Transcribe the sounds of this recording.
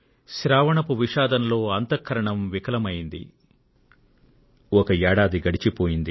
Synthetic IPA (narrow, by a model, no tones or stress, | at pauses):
ʃiɾaːʋɐɳɐpuʋiʃaːd̪ɐnɐlo̞ːɐnt̪ɐkʰːɐɾɐɳɐmʋikɐlɐmɐjind̪ḭ | ɔkɐɛːɽaːd̪iɡɐɽit͡ʃipoːjind̪i